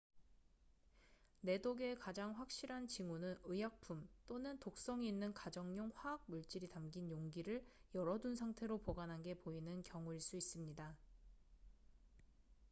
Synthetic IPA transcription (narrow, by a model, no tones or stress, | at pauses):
ne̞doɡe̞kad͡ʑaŋɸwak̚ɕ͈iɾɦant͡ɕiŋunɯnɯjak̚pʰumt͈onɯntok̚s͈ʌŋiinːɯnkad͡ʑʌŋɲoŋɸwaːk̚muɭt͡ɕ͈iɾitamɡinjoŋɡiɾɯɭjʌɾʌdunsʰaŋtʰe̞ɾopoɡanɦanɡe̞poinɯnkjʌŋuiɭs͈uis͈ɯmɲida